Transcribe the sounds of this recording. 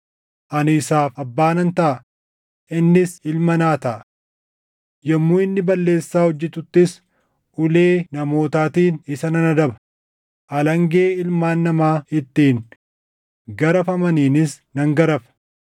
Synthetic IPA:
ʔɐnɪɪsaːfɐbːaːnɐnt̪ɐʔɐ | ʔɪnːɪsɪlmɐnaːt̪ɐʔɐ | jɐmːuːɪnːɪbɐlːe̞ːsːaːhɔd͡ʒːɛt̪ʊt̪ːɪs | ʊleːnɐmo̞ːt̪aːt̪iːnɪsɐnɐnɐd̪ɐbɐ̥ | ʔɐlɐŋɡe̞ːɪlmaːnːɐmaːɪt̪ːiːn | ɡɐɾɐfɐmɐniːnɪs | nɐŋɡɐɾɐfɐ̥

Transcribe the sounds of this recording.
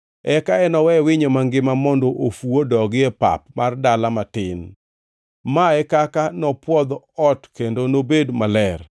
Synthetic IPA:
ɛkaɛnɔwɛwɪɲomaŋɡɪmamɔndɔʔofuodɔɡɪɛpa̰pmardalamatɪn | maɛkakanɔpwɔd̪ɔ | ɔtkendonobedmalɛr

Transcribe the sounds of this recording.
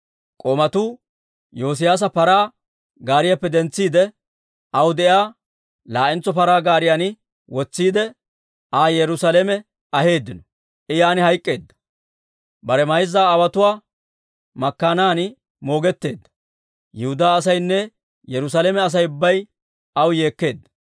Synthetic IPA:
kʼomɐt̪uː | jo̞ːs̬ɪjaːs̬ɐpɐɾaː | ɡaːɾɪjɐpːɛd̪ɛnt͡sːiːd̪ɛ | ʔɐwʊd̪ɛjaː | laːʔɪnt͡sːɔpɐɾaːɡaːɾɪjanɪ | wɔt͡sːiːd̪ɛ | aːjɛɾʊsalɛmɛ | ɐhe̞ːd̪ːɪnɔ | ʔɪjaːnɪhɐjkʼːe̞ːd̪ːɐ̥ | bɐɾɛmɐjzːaːwɐt̪ʊwaː | mɐkːaːnaːn | mo̞ːɡɛt̪ːe̞ːd̪ːɐ̥ | jɛhʊd̪aːs̬ɐjnːɛ | jɛɾʊs̬alemɛɐs̬ɐjʊbːɐj | ɐwje̞ːkːe̞ːd̪ːɐ̥

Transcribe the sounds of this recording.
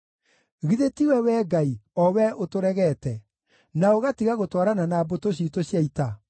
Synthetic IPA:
ɣiðetiwɛwɛɡaiɔwɛʔotoɾɛɣɛtɛ | naoɣatiɣaɣotwaɾananaːbotoɕ̬itoɕjaita

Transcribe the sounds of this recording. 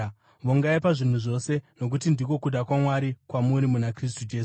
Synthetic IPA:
ʋoŋɡaipaʐin̤uʐo̞se̞no̞k̬utindiko̞kuɗakwamwaɾikwamuɾimunakris̬tud͡ʒeːs

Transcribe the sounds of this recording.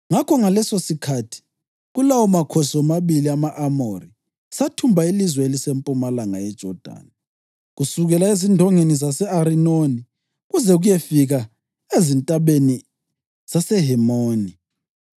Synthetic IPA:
ŋakʰɔŋalɛsosikʰatʰi̥ | ɣulawɔmakʰosɔmaβiliamaʔamori | satʰumbʱailizwɛelisempʼumalaŋajɛd̥ʒ̥ʱɔd̥ʱa̰ːna | ɣusuɣɛlaezindʱɔŋenizasɛaɾinoni | ɣuzɛɣujɛfiɣa | ezintʼaβeni | z̥asɛɦɛmoːni

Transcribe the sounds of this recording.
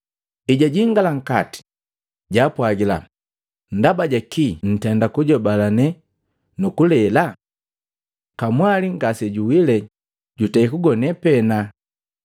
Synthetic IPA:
iɟaɟiŋɡalaŋ̩kati̥ | ɟapwaɡila̰ | n̩dabaɟakin̩tɛndakuɟɔbalanɛ | nukulɛla | kamwaliŋɡasɛɟuwilɛ | ɟutaikuɡɔnɛpɛna

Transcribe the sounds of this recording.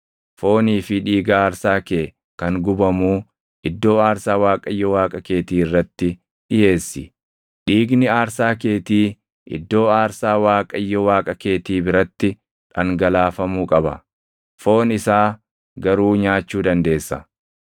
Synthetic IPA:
fo̞ːniːfɪᶑiːɡaaːɾsaːkeː | kɐŋɡʊbɐmuː | ʔɪd̪ːo̞ːaːɾsaːwaːkʼɐɪjːɔwaːkʼɐke̞ːt̪iːɪrːɐt̪ːɪ | ᶑɪje̞ːsːɪ | ᶑiːɡnɪaːɾsaːke̞ːt̪iː | ʔɪ̰d̪ːo̞ːaːɾsaːwaːkʼɐɪjːɔwaːkʼɐke̞ːt̪iːbɪɾɐt̪ːɪ | ᶑɐŋɡɐlaːfɐmuːkʼɐbɐ̰ | fo̞ːnɪsaː | ɡɐɾuːɲaːt͡ʃːuːd̪ɐnd̪e̞ːsːɐ

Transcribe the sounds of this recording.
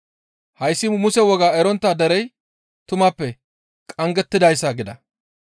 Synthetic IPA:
hɐjsːɪmʊsɛwɔɡaːɛɾɔnt̪ːaːd̪ɛɾɛj | t̪ʊmaːpːɛ | kʼɐŋɡɛt̪ːɪd̪ɐjs̬ːaɡɪd̪ɐ

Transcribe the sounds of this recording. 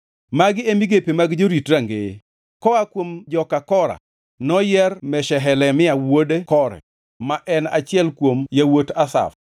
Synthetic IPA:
maɡɪemiɡepemaɡd͡ʒoɾitɾaŋɡe | kɔakwomd͡ʒɔkakɔɾa̰ | nɔjɛrmɛʃɛɦɛlɛmɪawodekɔɾɛ̰ | maʔɛnat͡ʃɪɛlkwomjawotasa̰f

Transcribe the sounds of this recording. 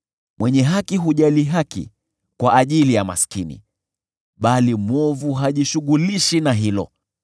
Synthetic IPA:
mwɛɲɛɦakiɦuʄaliɦakḭ | kwaʔːʄilijama̰skinḭ | ɓalimwɔvuɦaʄiʃuɠuliʃinaɦilɔ̰

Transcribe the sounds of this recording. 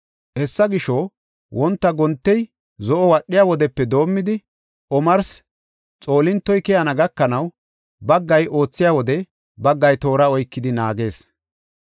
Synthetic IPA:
hɛsːɐɡɪʃɔ | wʔɔnt̪ːɐɡɔnt̪ːɛj | zɔʔɔwɐɗːɪjaːwɔd̪ɛpːɛd̪o̞ːmːɪd̪ɪ | ʔɔmɐɾs | t͡sʼo̞ːlɪnt̪ːɔjkɛjɐnɐɡɐkːɐnɐw | bɐɡːɐjo̞ːt͡sːɪjaːwɔd̪ɛ | bɐɡːɐjt̪o̞ːɾɐɔjkːɪd̪ɪnaːɡe̞ːs

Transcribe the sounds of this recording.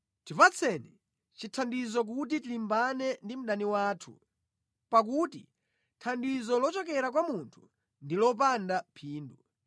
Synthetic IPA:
tipat͡sʰɛnɛ | t͡ʃitʰandizɔk̬ut̬itilimbanɛndim̩ɗaniwaːtʰṵ | pak̬utḭ | tʰandizɔlɔt͡ʃɔkɛɾak̬wamuntʰu̥ | ndilɔp̬andapʰiːndu

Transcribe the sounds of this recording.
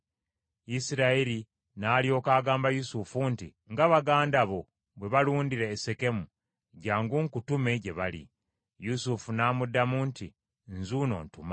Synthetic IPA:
isiɾaeɾi | naːljo̞ːkaːɡaːmbajusufunti | ŋɡaβaɡaːndaβo | βwe̞βaluːndiɾeːse̞ke̞mu | ɟaːŋɡuŋkutume̞ɟe̞βalḭ | jusufunaːmudːamunti | nzuːno̞̰ːntuma

